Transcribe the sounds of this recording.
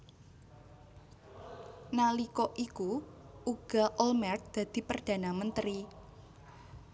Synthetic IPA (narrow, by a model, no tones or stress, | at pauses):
nalikɔʔikuuɡ̥aʔɔlmɛr̚d̪̥ä̤d̪̥i̤pərd̪̥ä̤namənt̪ɾi